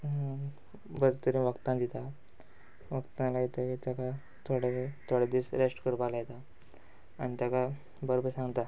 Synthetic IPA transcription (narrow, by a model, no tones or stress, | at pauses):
bəd̪t̪əɾĩʋəkt̪ãnd̪it̪a | ʋəkt̪alajet̪akit̪jaka | t̪ʰoɽet̪ʰoɽed̪iːsɾesʈkəɽbalajet̪aː | ɽ̃it̪jaka | bəɾobəɾsãŋɡt̪a